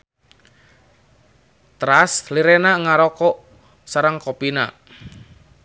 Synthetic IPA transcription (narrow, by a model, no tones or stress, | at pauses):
t̪ɾasliɾenaŋaɾɔkɔʔ | saɾəŋkopina̰